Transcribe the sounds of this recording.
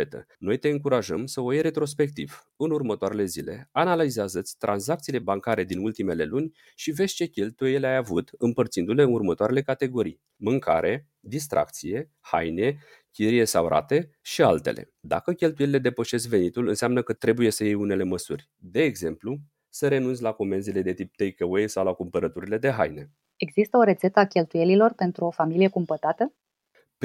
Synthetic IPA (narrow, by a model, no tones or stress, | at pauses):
et̪ə̰no̞jt̪e̞ɨŋkuɾaʒəmsəojeɾe̞t̪ɾo̞spe̞k̚t̪iv̥ | ɨnurmət̪oaɾe̞le̞zile̞̰analizeazət̪sʲt̪ɾʔanzak̚t̪sile̞baŋkaɾe̞d̪inult̪ime̞le̞lunʲ | ʃive̞dzʲt͡ʃe̞kʲe̞lt̪ujejeleajavut̪ɨmpərt̪sind̪ule̞ɨnurmət̪oaɾe̞le̞kat̪e̞ɡo̞ɾij | mɨŋkʰa̰ɾʔe̞ | d̪is̬t̪ɾʔa̰k̚t̪sije̞ | ha̰jne̞ | kʲiɾije̞sawɾa̰t̪e̞ | ʃialt̪e̞̰lʔe̞̰ | d̪a̰kəkʲe̞lt̪ujeliled̪e̞pəʃe̞skve̞nit̪ulɨnseamnəkət̪ɾe̞buje̞səjejune̞le̞məsurʲ | d̪e̞ːɡze̞mplu | səɾe̞nunsʲlakome̞nzile̞d̪e̞t̪ip̚t̪ejkewejsawlakumpəɾət̪uɾile̞d̪e̞ɦa̰jne̞ | e̞ɡzist̪əo̞ɾe̞t̪se̞t̪əakʲe̞lt̪uje̞lilo̞rpe̞nt̪ɾuo̞familije̞kumpət̪at̪ə | p